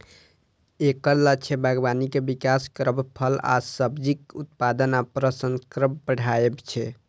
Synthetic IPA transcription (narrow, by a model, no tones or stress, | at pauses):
ekəɾlat͡ʃʰɛbʱaɡbanikebikaskɾəbpʰəla̰səbd͡ʒikut̪̚pad̪ənapɾəsənkɾəbbəɽ̤ʱajebt͡ʃʰɛ